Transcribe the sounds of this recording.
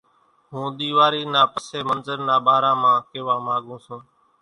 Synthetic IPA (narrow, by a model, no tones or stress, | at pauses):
ɦũːɗ̪iːʋaːɾiːnaːpəseːmənzəɾnaːɓaːɾãːmãːkeːʋãːmãːɠũːsũː